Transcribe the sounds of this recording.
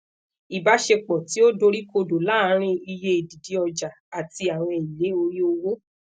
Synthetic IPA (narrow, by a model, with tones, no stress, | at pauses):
i˨ba˨˦ʃe˧k͡pɔ˨ti˨˦o˦do˧ɾi˦ko˧do˨la˦˨˦ɾ̃ĩ˦i˧je˦i˨di˨di˨˦ɔ˧d͡ʒa˨a˨ti˧a˨w̃ɔ̃˧i˨le˨˦o˧ɾi˦o˧wo˦